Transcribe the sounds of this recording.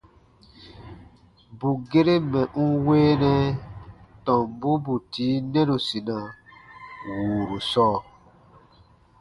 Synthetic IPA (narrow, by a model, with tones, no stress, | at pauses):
bu˨ɡe˦ɾe˦mɛ̃˨ʔũ˦weː˦nɛ̃˦ | tɔ̃˨mbu˦bu˨tiː˨˦nɛ̃˦ɾo˨si˨nã˨ | wuː˨ɾu˨sɔː˦˨